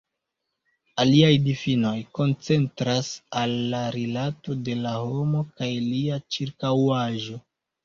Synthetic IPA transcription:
aliajdifino̞jko̞nt͡se̞ntɾasalːaɾilato̞de̞laho̞mo̞kajliat͡ʃiɾkawaʒo̞

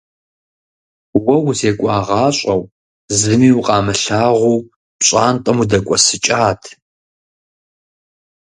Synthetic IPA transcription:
wɐwzeːkʷʼɑːʁɑːɕʷʼɐw | zɨmiːwʊqʼɑːmɨɬaːʁʷuː | pɕʼaːntʼɐmudɐkʷʼɔsɨt͡ʃʼaːtʰ

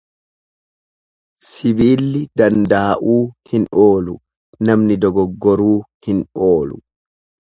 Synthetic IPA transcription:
sɪbiːlːɪd̪ɐnd̪ɐɐʔuːhɪnoːlʊ | nɐmnɪd̪ɔɡɔɡːɔɾuːhɪnoːlʊ

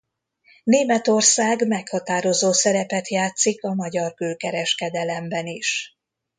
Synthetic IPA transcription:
neːmɛt̪o̞rsaːɡmɛkhɒt̪aːɾo̞zoːsɛɾɛpɛt̪jaːt̪sikɒmɒɟɒrkøːkɛɾɛʃkɛd̪ɛlɛmbɛniʃ

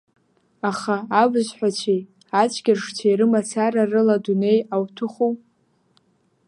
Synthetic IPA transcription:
aχaːbɨzħʷᶣat͡ʃʷʰi | at͡ʃʷʰɡʲɪrʂt͡ʃʰaiɾɨmat͡sʰaɾarɨladune̞jawtʰɨχuw

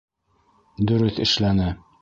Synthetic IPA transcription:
d̪ɵ̆ɾɵθɘ̆ʃlænɘ

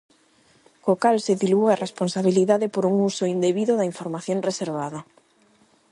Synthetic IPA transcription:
kokalseðiluaresponsaβiliðaðɪpoɾuŋusoind̪eβiðoðaiɱfoɾmaθjoŋreseɾβaðɐ

